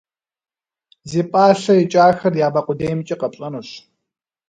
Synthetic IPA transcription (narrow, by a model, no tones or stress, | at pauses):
zeːpʼaːɬɐjɪt͡ʃʼaːxɐrjaːbaːqʷʊdejmt͡ʃʼɪqɐpɕʼɐnuɕ